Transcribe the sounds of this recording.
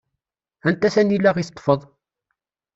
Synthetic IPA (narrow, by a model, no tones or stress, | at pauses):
ænt̪æθænilːæʁist̪ˤːfəðˤ